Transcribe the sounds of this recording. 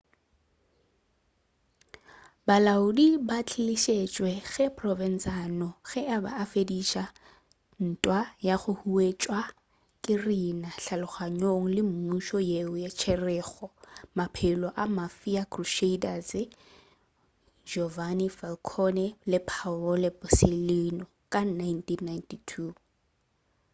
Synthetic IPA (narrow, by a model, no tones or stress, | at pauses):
balaʊdibat͡ɬʰɪliʃet͡ʃʼwɛɣɛpʰʼrɔvɛn̩sanɔɣɛʔaba̰ːfediʃa | n̩tʼwajaχʊhuet͡ʃʼwa | kʼɪrinaɬalʊχaɲoŋ̩lɪm̩muʃɔjeʊjat͡ʃʰɛrɛːɣɔmapʰɪlɔʔamafiakʰʼruʃeidazɪ | d͡ʒɔvanifɛlkʰɔnɛlɪpʰaɔlɪbʼɔsɪlinɔkʼanajntʼinːajntʰitʰu